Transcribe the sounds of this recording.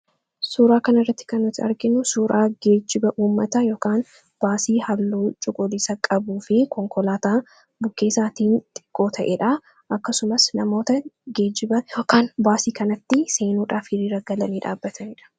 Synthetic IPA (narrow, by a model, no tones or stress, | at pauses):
suːɾaːkɐnɐɪrːɐt̪ːɪ̥kɐnːʊt̪ːɪɐ̰ɾɡɪnʊsuːɾʔaːɡe̞ːd͡ʒɪbɐʔuːmːɐt̪ɐjoːkaːn | b̥aːsiːhɐmluːt͡ʃʼʊkʼʊlɪsɐkʼɐbuːfɪkɔŋkɔlaːt̪aː | bʊkːeːsaːt̪iːnt̪ʼɪ̥kʼːo̞ːt̪ʰɐʔɛᶑɐ | ʔɐkːɐsʊmɐsnɐmo̞ːt̪ɐɡeːd͡ʒɪbɐjoːkaːnbaːsiːkɐnɐt̪ːɪseːnuːᶑaːfɪɾiɾɐɡɐlɐniːᶑaːbːɐt̪ʰɐniːᶑɐ̥